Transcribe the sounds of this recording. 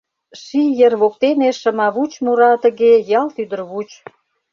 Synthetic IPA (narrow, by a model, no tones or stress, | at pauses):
ʃijərβok̚t̪eneʃə̆mɑβut͡ɕmuɾɑt̪ə̆ɣejɑlt̪yd̪ə̆rβut͡ɕ